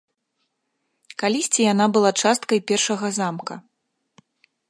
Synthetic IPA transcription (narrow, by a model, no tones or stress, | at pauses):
kalʲisʲt͡sʲijan̪abɨlˠat͡ʂast̪kɐjpʲɛrʂɐɣɐzamkɐ